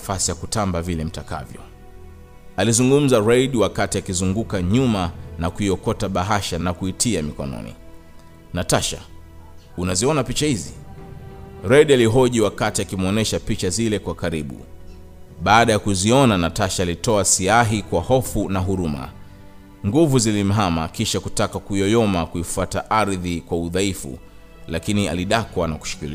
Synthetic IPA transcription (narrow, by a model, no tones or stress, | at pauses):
fasijakutambavilɛm̩taka̰vjɔ̰ | alizuŋɡum̩zaɾɛiɗiwakatiakizuŋɡukaɲumanakuiɔkɔtaɓaɦaʃanakuitʰiamikɔ̰nɔ̰nḭ | nataʃa̰ | unaziɔnapit͡ʃahizḭ | ɾɛɗialiɦɔʄiwakatiakimɔnɛʃapit͡ʃazilɛkwakaɾiɓṵ | ɓaːɗajakuziɔnanataʃaːlitɔasiaɦikwahɔfunaɦuɾuma̰ | ŋɡuvuzilim̩ɦamakiʃakutakakuɔjɔmakuifuataʔaɾðikwauðaifṵ | lakinia̰liɗakwanaku̥ʃi̥kilḭ